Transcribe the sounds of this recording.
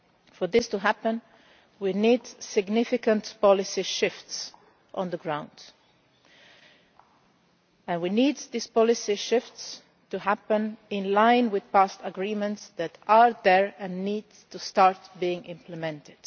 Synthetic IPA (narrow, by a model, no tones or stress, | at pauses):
fɔ˞ðɪstuɦæpə̃n | winidsɪɡnɪfɪkə̃ntpɑlɪsiʃɪfts | ʔə̰̃nðəɡɹãʊ̃nd̥ | ɨ̃nwinid̪ðispɑlɪsiʃɪfts | tuɦæpə̃nɪ̃nlãɪ̃nwɪð̥pæstəɡɹĩmə̃ntsðætəɹðɛɹɨ̃nːid | tustɑɹtbiɪ̃ŋʔɪ̃mpʰləmɛ̃ntɪd̥